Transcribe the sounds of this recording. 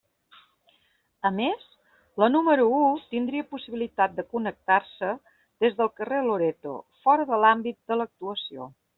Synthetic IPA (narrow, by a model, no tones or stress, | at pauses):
əmez | lənuməɾuut̪ind̪ɾiəpusiβilit̪at̪̚d̪əkunək̚t̪arsə | d̪ezðəlˠkəreloɾet̪o̰fɔɾəðəlambit̪̚d̪ələk̚t̪uəsio̰